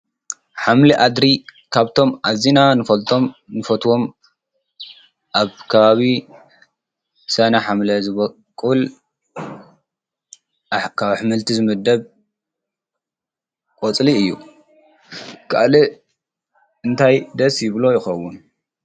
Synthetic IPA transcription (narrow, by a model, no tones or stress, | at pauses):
ħamliʔad̪ɾikʰaβt̪ʰo̞mʔazinanɨfɐlt̪ʰomnɨfɐt̪ʰwo̞m | ʔaβkʰɐβaβi | sɐnɐħamlɐzɨβɐ | kʼul | kʰaβħɨmɨlt̪ʰizɨmɐd̪ːɐβ | kʼot͡sʼliɨjːṵ | kʰa̰ʔlɨ | ɨnt̪ʰajd̪ɐsjɪβlo̞jɪxɐwːʊn